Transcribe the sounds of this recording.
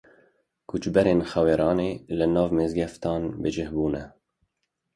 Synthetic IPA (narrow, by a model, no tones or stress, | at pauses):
kʰut͡ʃbɛɾeːnxɛweːɾɑːneːlɨnɑːvmeːzɡɛft̪ɑːnbɨd͡ʒɪhbuːnɛ